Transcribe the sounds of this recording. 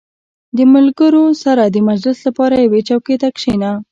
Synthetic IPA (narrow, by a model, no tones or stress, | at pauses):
d̪əmalɡəɾosaɾad̪əmad͡ʒlɪslapɑɾajawet͡ʃawket̪akʂena